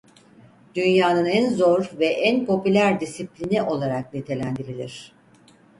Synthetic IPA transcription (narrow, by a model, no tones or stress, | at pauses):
d̪̥ynjaːnɯnænzo̞ɾvɛʔænpʰo̞pylʲæɾd̪isiplʲiniʔo̞lˠaɾak̚nit̪ʰe̞lʲænd̪iɾilʲḭɾ̝̥